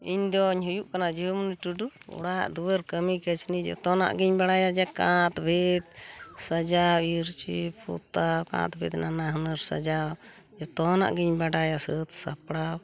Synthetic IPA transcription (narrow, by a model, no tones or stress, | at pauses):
iɲd̪ɔɲɦujuʔkanad͡ʒiumuniʈuɖuɔ̰ɽa̰ʔd̪uwəɾkəmikət͡ʃʰnid͡ʒɔ̰t̪ɔna̰ʔɡiɲbaɽajad͡ʒɛkãt̪bʱit̪̚səd͡ʒawiɾt͡ʃipʰṵt̪awkã̰t̪bʱit̪nanaɦənəɾsə̰d͡ʒaw | d͡ʒɔt̪ɔna̰ʔɡiɲbaɖajasət̪sapɽaw